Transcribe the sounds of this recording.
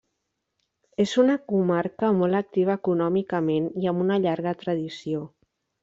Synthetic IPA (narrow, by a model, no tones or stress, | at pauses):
ezunəkumaɾkəmɔlˠək̚t̪iβ̞əːkunɔmikəmeniəmunəʎaɾɣət̪ɾəðisio